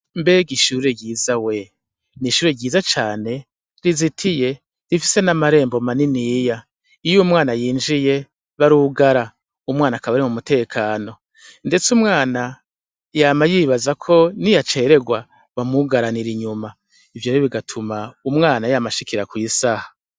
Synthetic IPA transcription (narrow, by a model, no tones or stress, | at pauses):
mbe̞ɡiʃuːɾe̞ɟiːzawe̞ | niʃuːɾeɟiːzat͡ʃaːne̞ | ɾizitʰije̞ | ɾifise̞namaɾe̞ːmbo̞maniniːja | ijumŋaːnajiːnd͡ʒije̞ | βaɾuɡaɾa | umŋaːnakaβaɾimumute̞ːkʰaːno̞ | nde̞t͡sumŋaːna | jaːmajiːβazakʰo̞nijat͡ʃe̞ːɾe̞ɡwa | βamuɡaɾaniɾiɲuma | ivjoːɾeβiɡatʰumaumŋaːnajamaʃikiɾakwiːsahḁ